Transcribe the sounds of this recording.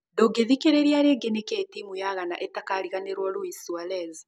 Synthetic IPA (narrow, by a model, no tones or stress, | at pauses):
doɡeðikeɾeɾiaɾeɡeneketimujaɣanaʔetakaɾiɣaneɾwɔɾuisualɛz